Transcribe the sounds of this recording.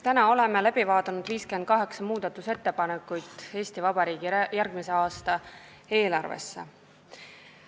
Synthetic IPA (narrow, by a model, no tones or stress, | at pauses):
t̪ænɑo̞le̞melæb̥ivɑːt̪ˑɑnud̪viːske̞nd̪̥̚kɑɦe̞ksɑmuːd̪ɑt̪ːˑuse̞t̪ːe̞pɑnekːujd̪̥e̞ːst̪ivɑbɑɾiːɡ̥ijærɡ̥mise̞ɑːst̪ɑ | e̞ːlɑrvḛsːḛ